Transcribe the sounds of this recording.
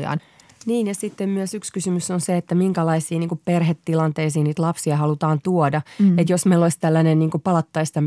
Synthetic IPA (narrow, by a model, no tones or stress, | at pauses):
ɑ̰ːn | niːnjɑsit̪ːemmyøsykskysymysonseet̪ːæmiŋkælɑisiːniːŋkupperɦet̪ːilɑnt̪eisiːniːt̪lɑpsiɑhɑlut̪ɑːnt̪uɔdɑet̪josmeiloist̪ælːænenniːŋkupɑlɑt̪ːɑist̪ɑm